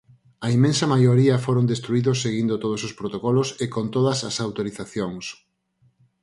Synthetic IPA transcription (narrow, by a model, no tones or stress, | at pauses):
ɐimẽnsɐmajoɾiɐfoɾond̪est̪ɾuiðʊsːeɣind̪ot̪oð̞osospɾot̪okɔlosekont̪oðɐsɐ̰sawt̪oɾiθaθjoŋs